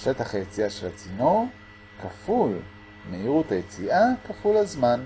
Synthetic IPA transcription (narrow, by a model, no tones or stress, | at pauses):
ʃe̞t̪aχajet͡siaʃelat͡sino | kaful | meiʁuthajet͡siʔakafulazman